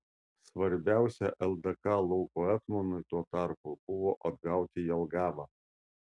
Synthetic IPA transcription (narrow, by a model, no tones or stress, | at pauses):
sʋɐɾʲbʲæˑʊsʲɛʔɛlˠd̪ɐkɑlˠɔʊkoɛk̪mɔnʊɪt̪uɔt̪ɑˑɾpub̥ʊʋoːʔɐd̪ɡɑˑʊt̪ʲɪjɛlˠɡɑːʋɑː